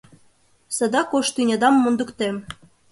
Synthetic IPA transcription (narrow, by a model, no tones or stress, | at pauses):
sɤ̆d̪ɑkoʃt̪ynʲɑd̪ɑmːund̪ŭkt̪em